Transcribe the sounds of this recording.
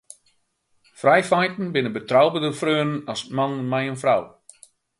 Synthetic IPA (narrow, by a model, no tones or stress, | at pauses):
frajfajtn̩bɪnəbətrawbədəfrøənənɔsmannmajənfraw